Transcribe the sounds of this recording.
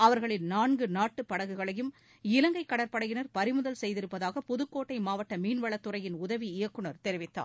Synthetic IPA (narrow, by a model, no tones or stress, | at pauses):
ɐʋɐɾɣɐɭɪnnaːnɡɯnaːʈːɯpːɐɽɐɣɯɣɐɭɐjɯm | ɪlɐŋɡɐɪkːɐɽɐɾpɐɽɐjɪnɐɾpɐɾɪmɯðɐlsɛjðɪɾɯpːɐðaːɣɐpɔðɯkːoːʈːɐɪmaːʋɐʈːɐmiːnʋɐɭɐt̪ːɯɾɐjɪnʊðɐʋiɪjɐkːɯɳɐɾt̪ɛɾɪʋɪt̪ːa̰ː